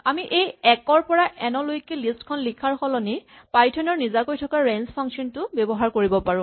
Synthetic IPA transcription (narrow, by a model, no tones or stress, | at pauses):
amiʔejɛkɔɹpɔɹaʔɛnɔlojkelistkʰɔnlikʰaɹxɔlɔni | pajtʰɔnɔɹnizakojtʰɔkaɹɛnspʰaŋsɔntʊbɛbɔɦaɹkoɹibɔpaɹʊ̃